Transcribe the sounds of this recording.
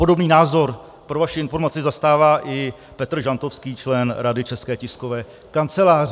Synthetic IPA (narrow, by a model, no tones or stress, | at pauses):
po̞do̞bniːnaːzo̞ɾ | pɾovaʃɪɪnfo̞ɾmat͡sɪzast̪aːvaːʔɪ | pɛt̪r̩ʒant̪ofskiːt͡ʃlɛnɾadɪt͡ʃɛskɛːcɪskovɛː | kant͡sɛlaːrɪ